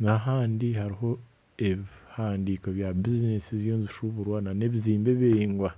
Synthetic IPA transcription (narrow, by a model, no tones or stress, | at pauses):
naɦaːndihaɾiɦo̞ | eβihaːndiːko̞βjabizinesizjo̞ːnziʃuβuɾwanane̞βiziːmbeβeiŋɡwa